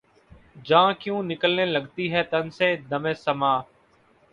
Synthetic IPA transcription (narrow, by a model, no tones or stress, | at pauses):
d͡ʒãːkjũːnɪkəlneːləɡt̪iːɦɛːt̪ənsẽːd̪əmẽːsəmaː